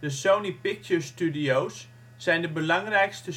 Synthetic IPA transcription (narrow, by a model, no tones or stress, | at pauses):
dəsownipɪk̚t͡ʃəɹstydiowsː | ɛjndəbəlɑŋrɛjkstə